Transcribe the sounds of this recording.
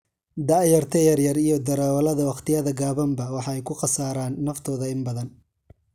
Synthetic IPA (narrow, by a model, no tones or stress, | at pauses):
d̪ɑʔjɐrt̪ʰɛjɐrjɐrijɞd̪ɐɾaːwɐlɐðɐwɑqt̪ʰɪjɐðɐɡaːβɐmbɐwɑħɑɛjkʰʊqɑsaːɾaːnːɐft̪ʰɔːðɐɪmbɐðɐn